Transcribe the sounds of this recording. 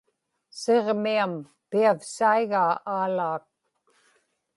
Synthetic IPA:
seʁmiam | piafsaiɣaːʔaːlaːk̚

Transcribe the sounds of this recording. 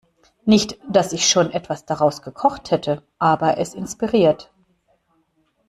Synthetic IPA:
nɪçtd̥asɪçʃoːnʔɛtv̥asd̥aʁaʊsɡ̥əkʰɔχthɛtʰəʔaːbɐʔɛsɪnspiʁiːɐt

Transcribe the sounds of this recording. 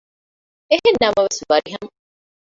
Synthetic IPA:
eɦenːɐmɐʋesʋɐɾiɦɐmɐ

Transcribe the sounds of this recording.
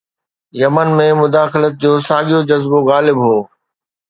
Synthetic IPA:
jɐmənmẽmʊd̪aːxɪlət̪̚d͡ʑoːsaːɠijod͡ʑɐzboɣaːlɪbɦoː

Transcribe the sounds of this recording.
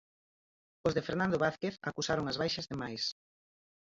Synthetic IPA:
ozðefeɾnãnd̪oβaθkeθakusaɾoŋazβajʃɐzðemajs

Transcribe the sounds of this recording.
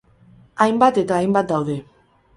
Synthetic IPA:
ajmbat̪et̪aːjmbat̪̚d̪awðe̞

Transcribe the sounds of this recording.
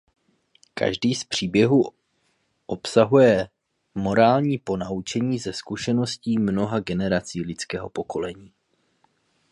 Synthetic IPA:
ka̰ʒdiːspr̝̥iːbjɛɦu | ʔo̞psaɦujɛ | mo̞ɾaːlɲiːpo̞naut͡ʃɛɲiːzɛskuʃɛno̞sciːmno̞ɦaɡɛnɛɾat͡siːlɪt͡skɛːɦo̞̰po̞ko̞lɛɲiː

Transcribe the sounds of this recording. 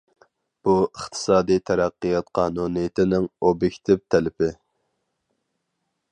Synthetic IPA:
b̥uəχt̪ʰɨ̥sɑːd̪ijt̪ʰæɾæqːɨjɑt̪qʰɑːnunɨjɪt̪ʰɪnɪŋobjekʲt̪ʰɪpt̪ʰɛlɪpɪ

